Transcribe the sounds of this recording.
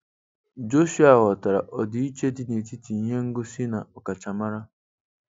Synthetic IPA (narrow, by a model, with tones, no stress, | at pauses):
d͡ʒo˦ʃu˦a˦˨ɣɔ˨ta˨ɾa̰˨ʔɔ˨dɪ˨i˦t͡ʃe˦dɪ˦ne˨ti˦ti˨ɲe˦ŋ̩˦ɡʊ˦si˦na˨ɔ˨ka˨t͡ʃa˨ma˦ɾa˦